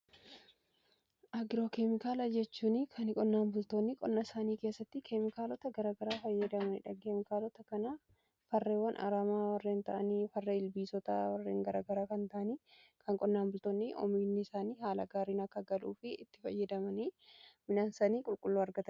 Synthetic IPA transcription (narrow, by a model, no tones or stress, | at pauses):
ʔɐɡɪɾoːkɛmɪkaːlɐd͡ʒɛt͡ʃːuːnɪkʰɐnɪkʼɔnːaːnbʊlt̪oːnːɪkʼɔnːɐɪsaːniːke̞ːsːɐt̪ːɪkʰɛmɪkaːlɔt̪ɐɡɐɾaːɡɐɾaːfɐjːɐd̪ɐmɐnɪ̰ᶑɐɡeːmɪkaːlɔt̪ɐkɐnɐ | fɐrːeːwːɐnʔɐ̰ɾaːmaːwɐrːeːnt̪ɐʔɐniːfɐrːeɪlbiːsɔt̪ɐ̰wɐrːḛːŋɡɐɾaːɡɐɾaːkɐnt̪ɐʔɐniːkʰɐŋkʼɔnːaːmbʊlt̪oːnːɪʔɔ̰minːɪɪsaːniːɦaːlɐɡaːɾiːnɐkːɐɡɐluːfɪɪt̪ːɪ̥fɐ̰jːɐd̪ɐmɐniːmɪnaːnsɐniːkʼʊlkʼʊlːuːɐɾɡɐt̪ɐ